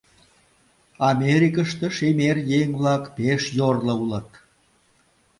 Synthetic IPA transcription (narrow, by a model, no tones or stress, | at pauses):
ɑmʲeɾikəʃt̪ə̆ʃemerjeŋβlɑkpeʃjorlə̆ulə̆t̪